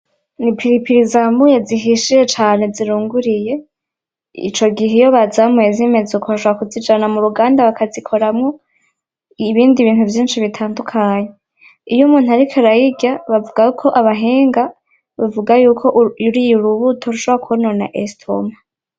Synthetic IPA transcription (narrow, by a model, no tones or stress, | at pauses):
nipʰiɾipʰiɾizamujeziɦiʃije̞t͡ʃaːne̞ziɾuːŋɡuɾije̞ | ḭt͡ʃo̞ɡiɦejo̞βazamwezime̞zukʰoβaʃoβɾakuzid͡ʒanamuɾuɡaːndaβakazikʰo̞ɾamŋo̞ | βiːndiβiːnhuvjiːnʃiβitʰaːndukʰaːɲe̞ | ijumuːn̥uaɾikʰaɾajiɟaβavuɡajkʰo̞ʔaβaɦeːŋɡa | βavuɡajuːkʰo̞ʔuɾijuɾuβutʰo̞ɾuʃo̞βoɾakuuno̞na̰ʔestʰo̰ma